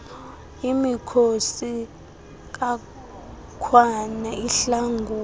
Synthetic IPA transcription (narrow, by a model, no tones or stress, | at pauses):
imikʰosi | k̬a | kʰwanaiɬaŋɡʱuː